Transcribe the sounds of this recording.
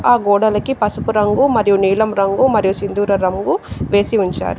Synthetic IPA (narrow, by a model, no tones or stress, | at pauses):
aːɡɔːɽɐlɐkipɐsupuɾɐŋɡumɐɾijuniːlɐmɾɐŋɡumɐɾijusind̪uːɾɐɾɐŋɡuʋe̞ːsiuɲt͡ʃa̰ːɾu